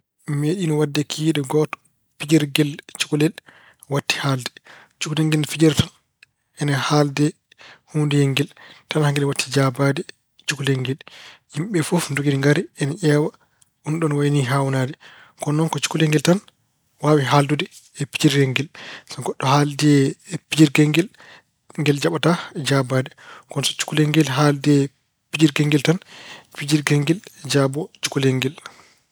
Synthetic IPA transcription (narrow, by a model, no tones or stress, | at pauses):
meɗinɔwadːɛkʰiːɗɛɡɔtɔ̥ | pid͡ʒɛɾɡɛlt͡ʃu̥kulɛl | watːi̥haldɛ̥ | t͡ʃukulɛŋɡɛlfid͡ʒɛɾtan | ʔɛnahaldɛ | huːndɛjɛŋɡɛltanhaŋɡɛlɛwatːid͡ʒabadɛ | t͡ʃukulɛŋɡɛlhimɓɛfofndoɡidiŋɡaɾɛɛnaʔɛwa | ʔunɗɔnwajniɦawnadɛ | kɔnːɔnkɔt͡ʃu̥kuleŋɡɛltan | waːwiɦaldudɛ | ɛpi̥d͡ʒiɾɡeŋɡɛlsaɡɔɗːɔhaldɛpid͡ʒiɾɡeŋɡɛl | ŋɡɛld͡ʒaɓatad͡ʒabadɛkɔnsɔt͡ʃu̥kuleŋɡɛlɦaldɛ | pid͡ʒiɾɡeŋɡiltanpid͡ʒiɾɡeŋɡild͡ʒabɔt͡ʃu̥kuleŋɡɛl